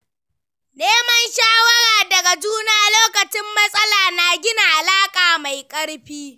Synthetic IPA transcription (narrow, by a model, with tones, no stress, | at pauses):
neː˦mɐ˦nʃaː˦wɐ˦ɽaː˨dɐ˨ɡa˨d͡ʒuː˦na˦a˨loː˦kɐ˨t͡ʃɪ˦mːɐ˦sʼɐ˦laː˨naː˨ɡʲɪ˦na˨ʔa˨laː˦kʼaː˨ma˨jkʼɐ˦ɽɸiː˦